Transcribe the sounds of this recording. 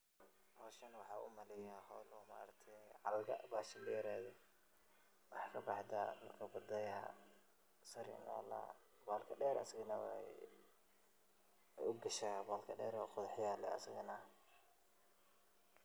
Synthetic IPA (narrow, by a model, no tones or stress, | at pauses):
hɔːʃɐnwɑħɑːʊ̰mɐlɛjahɔːlɔːma̰ːɾɐkt̪ʰɛʕɑlɡɐʔbaːʃɐnlɐjɪɾaːðɛ | wɑħkʰɐbɑħd̪amɐkʰɐbɐd̪ɐjɐ̰ | sɐɾɪ̰na̰ːla̰ | baːlkʰɐɗɛːɾɐ̰sɪɣɐnɐwɛ̰ | ʊɡɐʃabaːlkʰɐɖɛːɾɔqʊðɑħjaːlɛ̰ɐ̰sɪɣɐnɐ